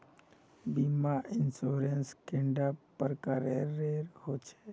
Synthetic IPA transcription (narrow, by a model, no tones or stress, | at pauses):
bimaʔɪnsoːɾenskẽɳɖaːppːəɾkaɾeːeːɾhot͡ʃʰe̥